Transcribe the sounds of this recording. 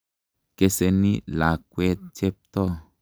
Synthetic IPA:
ke˦se˧ni˦la˨kwe˦t̪̚t͡ʃe˦p̚t̪ɔ˦˨

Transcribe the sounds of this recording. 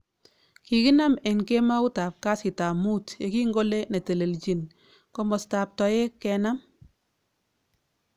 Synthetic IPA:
ki˨ki˦na˦me˨ŋke˦ma˦u˦ta˨p̚ka˦sɪ˨ta˨mu˦tje˦ki˦ŋɡo˦le˦ne˨te˨le˨lt͡ʃi˨n | ko˦mɔ˨sta˨p̚tɔ˨e˦kːɛ˨na˦m

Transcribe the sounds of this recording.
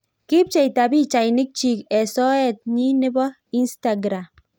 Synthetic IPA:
ki˦p̚t͡ʃɛ˨i˨ta˨bi˦t͡ʃa˨jni˦k̚t͡ʃi˦kɛ˨sɔ˦ɛ˦˨t̪̚ɲi˦ne˦bɔ˦ | i˦nsta˨ɡɾa˨m

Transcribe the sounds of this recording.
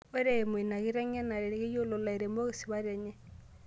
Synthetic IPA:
o˦ɾe˨mwi˨na˨ɣi˦ɾɛ˦ɲe˦na˨ɾe˨ɣi˦jo˦lo˨la˨e˨ɾe˨mo˦ɣe˦si˨βa˦ɾɛ˨ɲɛ˦

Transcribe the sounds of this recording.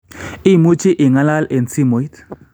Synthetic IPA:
i˦˨mu˦t͡ʃi˦ʔi˨ŋa˦la˦le˨nsi˦mo˨i˦t̪

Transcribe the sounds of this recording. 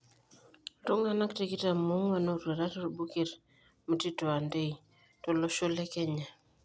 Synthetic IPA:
to˦ŋa˨na˦kte˨ki˦ta˨mu˦ŋwa˨no˦˨ɾe˨ɾa˦to˦˨ɾbu˦ki˨ɾ | mə˨ti˦to˨a˨nde˦i | to˨lo˦ʃo˦le˦kɛ˦ɲa˨

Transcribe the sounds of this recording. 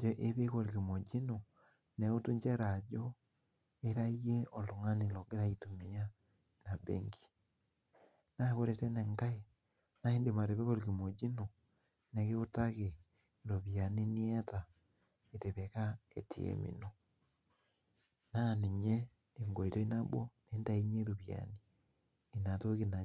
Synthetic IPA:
d͡ʒe˦ʔe˦βe˦ɣo˨ɾi˨ɣi˨mo˨d͡ʒi˦no˨ | ne˨o˦tu˦ɲd͡ʒe˦ɾa˨d͡ʒo˦ | e˦ɾa˦i˦ɣe˦ʔo˨lo˨ŋa˦ni˨lɔ˨ɣe˦ɾa˦itu˨mi˨a˦ | na˨bḛŋɡi̥˨ | na˦βo˦ɾete˦ne˨ŋɡa˦e | na˦e˦nde˨ma˨ɾe˨βe˦ɣo˦ɾiɣi˨mo˨d͡ʒi˦no˨ | ne˨ɣe˦o˦ta˦ɣe˨ | ɾo˨βja˨ni˦ni˦e˦ta˨ | e˨te˨βe˨ka˦ḛ˨tḭ˨ḛ˨mḭ˨no | na˦ne˨ɲe˦ | eŋɡo˨i˨to˦i˦na˦bwɔ˦ne˦nda˦i˦ɲe˦ɾoβja̰niː˨ | na˨to˦ɣena˨

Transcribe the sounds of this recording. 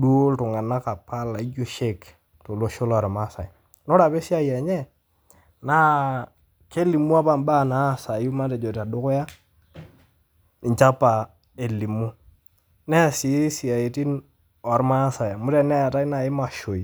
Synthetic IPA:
do˦ltʊ˨ŋa˨na˦ka˨pʰa˦la˨i˦d͡ʒo˦ʃe˦k | to˨lo˦ʃo˦lɔ˨ɾma˦sa˨j | nɔ˦ɾa˨pe˦si˦a˦jɛ˨ɲɛ˦ | na˦ | ke˦li˨mu˦a˦pa˨mba˦˨na˨˦˨sa˨ju˦ma˦te˨d͡ʒo˨ta˨dʊ˦kʊ˦ja˦ | ɪ˨t͡ʃa˦pa˨ | e˨li˨mu˦ | nɛ˦˨si˨˦si˨a˨i˨ti˦n | ɔ˨ɾma˦sa˨ja˨mʊ˦ɾɛ˦nɛ˦a˨ta˦i˦na˨ɪ˦ma˨ʃo˨i˨

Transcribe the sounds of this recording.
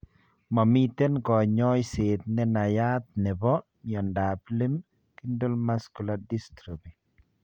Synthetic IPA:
ma˨mit̪ɛ˦nkɔ˨ɲɔjseːt̪̚nɛ˦na˨ja˦t̪̚nɛ˨bɔ˦ | ɲɔ˨ndapli˦m | ki˦ndo˦lmaskuladistɾi˨bi

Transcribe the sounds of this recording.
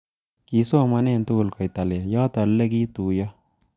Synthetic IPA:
ki˨so˦˨ma˦ne˦˨nt̪u˦˨lkɔ˨jt̪a˨ljɑː˦t̪a˨lle˦ki˦t̪u˨jɔ˦

